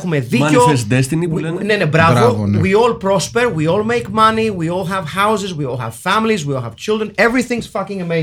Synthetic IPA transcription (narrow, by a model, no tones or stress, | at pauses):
xumeðiofesd̪ɛst̪iniwlnnenebɾavowiɔlpɾɔspeɾwiolmejkmɐniwiolɦɛvhawzɪzwiolˠhɛ̰v̥fæmilizwiolhɛv̥t͡ʃild̪ɾə̃nevɾiθĩŋz̥fɐkĩŋɐme